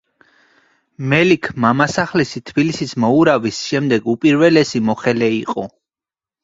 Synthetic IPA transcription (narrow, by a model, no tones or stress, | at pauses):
mɛlikʰmamasaχlɛsit̪ʰbilisismɔuɾavisʃɛmd̪ɛɡupʼiɾvɛlɛsimɔχɛlɛiqʼɔ